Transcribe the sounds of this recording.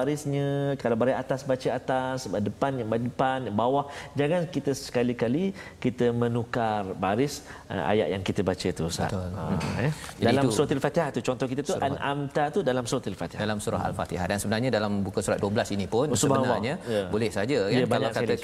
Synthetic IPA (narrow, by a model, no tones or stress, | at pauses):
aɾɪsɲə̃kalabaɾaat̪asbat͡ʃəat̪asəbadəpanjaŋbadəpanjaŋbawahd͡ʒaŋankit̪əsə̥kalikalikit̪əmə̃nukarbaɾɪsə̰ʔa̰ja̰ʔjaŋkit̪əbat͡ʃət̪usa̰t̪ʊla̰ɛdalamsuɾot̪ialfat̪iɦat̪ut͡ʃɔnt̪ɔhkit̪̬ət̪uanʔamt̪at̪udalamsuot̪ilfat̪iɦadalamsuɾa̰ɦa̰lfa̰t̪iɦa̰hdansəbənarɲadalambukəsuɾat̪̚duəblasinipʊnsuəbanwaɲajəbolɛsad͡ʒəkaəbaalakaə